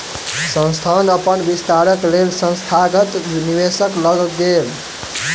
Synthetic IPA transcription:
sə̃nst̪ʰand̪ʌpənbist̪aɾəklelsə̃nst̪ʰaɡət̪niwesəklʌɡɡ̪el

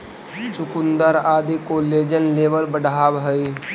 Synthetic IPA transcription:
t͡ʃʊkʊnd̪əɾaːd̪ikoleːd͡ʒənleːbəlbəɖʱaːbɦəi

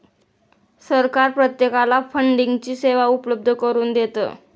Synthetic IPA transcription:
səɾkaɾpɾət̪jekalafəɳɖiŋɡt͡ɕiːseʋaupləb̚d̪ʱəkəɾuːnd̪et̪ə̰ː

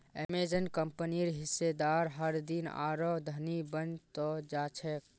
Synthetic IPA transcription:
ḛmed͡ʒənkəmpəniɾɦɪsːed̪aːɾɦəɾd̪ina̰ːɾɔd̪ʱənibənt̪ɔd͡ʒaːt͡ʃʰɛk̚

